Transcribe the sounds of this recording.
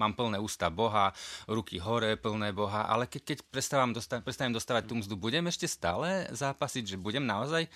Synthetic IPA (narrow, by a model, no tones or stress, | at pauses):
maːmpl̩nɛːuːst̪abɔɦaɾukiɦɔɾɛːpl̩nɛːbɔɦaʔa̰lɛkɛckɛcpɾɛst̪aʋamd̪ɔst̪apɾɛst̪aɲɛmd̪ɔst̪aːʋac̚t̪umzd̪ubuɟɛmɛʃcɛst̪a̰ːlɛzaːpasiɟʒɛbuɟɛmnaɔzaj